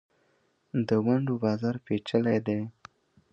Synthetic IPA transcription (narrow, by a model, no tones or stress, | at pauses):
d̪əwaɳɖobɑzɑɾpet͡ʃəled̪e